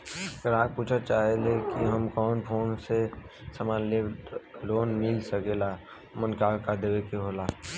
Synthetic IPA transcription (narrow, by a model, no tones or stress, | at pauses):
ɐɡəɾaːk̚puːt͡ʃʰat͡ʃaːɦelekiɦəmkɔːnpʰoːnse | səmaːnleloːnmilsəkela | mənkaːlkad̪eʋekeɦoːlaː